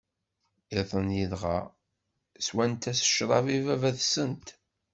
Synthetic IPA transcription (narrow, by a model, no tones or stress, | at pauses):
iθˤənjiðʁɑ̰ | swænt̪æsə̥ʃɾˤɑvivævæðsənt̪